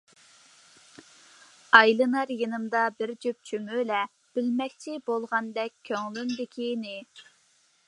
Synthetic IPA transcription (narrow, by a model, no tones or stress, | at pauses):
ɑjlˠɨnɑɾjinɨmd̪ɑbɪɾd͡ʒyp̚t͡ʃʰymylɛ | b̥ɪlmɛk̚ʲt͡ʃʰibolˠʁɑnd̪ɛkʲʰːøŋlynd̪ɪkʲʰinɪ